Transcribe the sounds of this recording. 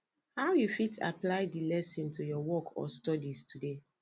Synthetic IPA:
hawjufita̰plaɪdilɛsĩntujɔwɔkʰɔ̰stɔdistʰude

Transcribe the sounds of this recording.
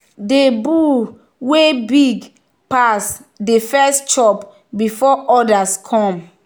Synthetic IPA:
debu | webiɡ | pasdefɛst͡ʃɔp | bifɔʔɔdaskʰɔ̃m

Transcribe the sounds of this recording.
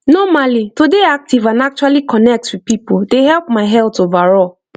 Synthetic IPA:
nɔmalitodeak̚tivãnak̚t͡ʃualikʰɔnɛk̚twið̚pipodehɛlpmaɪɦɛlˠtovaɹɔ

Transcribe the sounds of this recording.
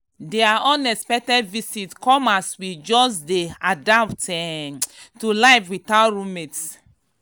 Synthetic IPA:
deaʔɔ̃nɛspɛk̚tɛdvisitkɔ̃maswid͡ʒɔsdeadaptɛ | tulaɪvwiθaɹumets

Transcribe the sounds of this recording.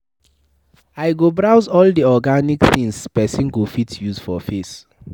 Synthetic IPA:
aɪɡobɹawzɔldiɔɡanikθĩŋspɛsĩnɡofitjuzfɔfes

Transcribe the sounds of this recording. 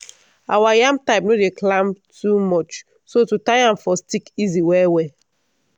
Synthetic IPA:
awajãmp̚taɪp̚nodeklãmtʰumɔt͡ʃ | sotutãɪãmfɔstikiziwɛwɛ

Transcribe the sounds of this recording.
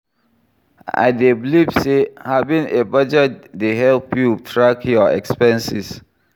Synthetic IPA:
a̰jdeblifsehavĩŋebəd͡ʒɛdeɦɛlpʰjutʰɹakjɔɛ̰kspɛ̃nsis

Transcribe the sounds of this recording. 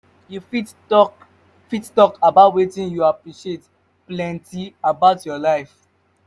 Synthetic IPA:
juf | fittɔkabaʊtwetĩnjuapɹiʃiet | plɛ̃ntiabaʊtjɔlaɪf

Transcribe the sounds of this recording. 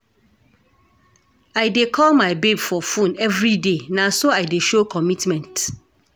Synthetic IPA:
aɪdekʰɔlmaɪbebfɔfũnɛvɾidenãsoaɪdeʃokʰɔmitmɛ̃nt

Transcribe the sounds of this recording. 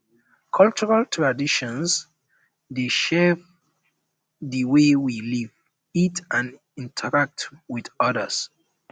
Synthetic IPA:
kʰɔlt͡ʃɔɹaltʰɹadiʃɔ̃ns | deʃɛv | ðəwewiliv | itãn | ĩntʰəɹak̚twiðɔðəs

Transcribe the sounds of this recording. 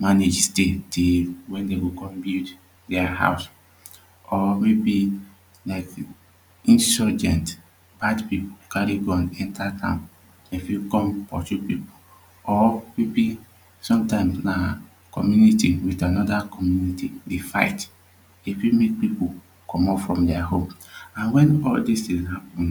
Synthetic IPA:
maned͡ʒstetʰewɛ̃ndeɡokɔ̃mbild | dɛaha̰ws | ɔmebi | laɪk | ĩnsɔd͡ʒɛ̃nt | b̥adpipokaɾiɡɔ̃nɛ̃ntatã̰m | efikɔ̃mpɔ̰t͡ʃupipu | ɔmebi | sɔ̃mtãɪ̃msna | kɔmjunitiwitanɔdakɔmjunitidefa̰ɪt | efimek̚pipo | kʰɔmɔpfɹɔ̃mdɛaɦõmãnwɛ̃nɔldistĩshapɔ̃n

